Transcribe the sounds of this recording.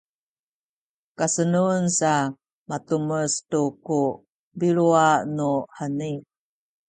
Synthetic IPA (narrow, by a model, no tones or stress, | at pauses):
kasənunsa | matuməstuku | biɭuanuhani